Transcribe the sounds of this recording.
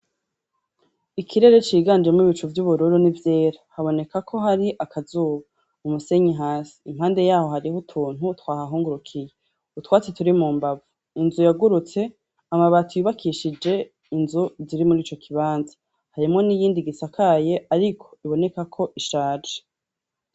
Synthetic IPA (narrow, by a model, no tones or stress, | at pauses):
ikʰiɾe̞ɾe̞t͡ʃiːɡaːnd͡ʒemŋiβit͡ʃuvjuβuɾuɾunivje̞ːɾahaβo̞ne̞kakʰo̞ɦaɾiʔakʰazuːβa | umuse̞ɲiɦaːsi̥ːm̥haːnde̞jaːho̞ɦaɾihutʰuːn̥utwaːhaɦuːŋɡuɾukʰije | utwaːt͡setuɾimuːmbavu | inzujaɡuɾut͡se̞ | amaβatujuβakʰiːʃid͡ʒe̞ | inzuziɾimuɾiːt͡ʃo̞kʰiβaːnza | haɾimŋo̞nijiːndiɡisakʰaːje̞ʔaɾikʰo̞iβo̞ne̞kakʰo̞ʔiʃaːd͡ʒe̥